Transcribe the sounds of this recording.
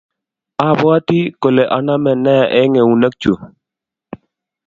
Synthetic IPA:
a˦˨bɔ˦a˦ti˦ko˨le˨ʔa˨na˦mɛ˨nɛ˦˨ʔɛ˦ŋe˨u˨na˦k̚t͡ʃu˨

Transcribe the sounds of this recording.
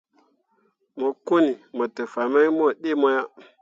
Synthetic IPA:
mo˨ku˦ni˨mo˨tə˨fa˨ma˦jmo˦ɗi˦mo˦ja˦

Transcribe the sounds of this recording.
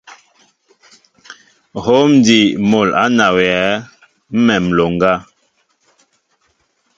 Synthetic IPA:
ho˦m˦di˨mo˨la˦na˨wɛ˨a˨˦ | m̩˦mɛ˨m̩˨lo˨ŋɡa˦

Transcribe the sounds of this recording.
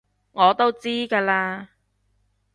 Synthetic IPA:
ŋɔː˨˧t̪o˥wt͡siː˥kaː˧laː˧

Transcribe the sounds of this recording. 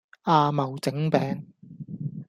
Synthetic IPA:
aː˧mɐ˨˩wt͡sɪ˨˥ŋpɛː˨ŋ

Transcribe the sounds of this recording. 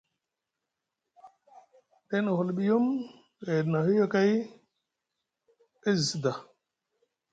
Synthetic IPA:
ɗe˦na˨hu˨lɓi˦ju˦m | ɣe˨dna˨hi˦jo˦ka˦j | e˦zsi˨da˨

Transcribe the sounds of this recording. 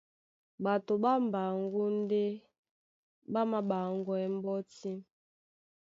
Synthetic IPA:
ba˨to˨ba˦m˨ba˨ŋɡu˦n˦dɛ˦ | ba˦ma˨ba˨ŋɡwɛ˦m˦bɔ˦ti˦

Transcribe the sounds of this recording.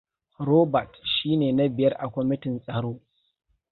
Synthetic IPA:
ɾoː˦bɐ˨tʃiː˦neː˨na˦bɪ˨jɐ˦rʔa˨kʷɔ˦mɪ˦tɪ˨nsʼɐ˨ɽoː˦

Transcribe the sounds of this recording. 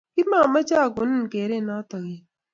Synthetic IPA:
ki˦mãː˨mɐ˦t͡ʃaː˦ɡʊ˨nnkeː˨ɾeː˦naː˦t̪ə˨ɣeː˨

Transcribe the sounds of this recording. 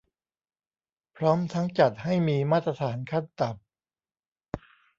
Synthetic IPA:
pʰɾɔː˦˥mt̪ʰa˦˥ŋt͡ɕa˨˩t̪̚ha˥˩jmiː˧maː˥˩t̪ːɾa˧t̪ʰaː˩˦nkʰa˥˩nt̪a˨˩p̚

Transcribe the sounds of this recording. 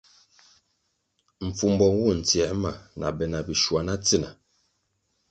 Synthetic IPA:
m̩˨fu˨m˦bɔ˨ŋwu˦˨n̩˨t͡sjɛ˨˦ma˨nʔa̰˨bɛ˨na˨bi˨ʃwa˨na˦t͡si˦˨na˨

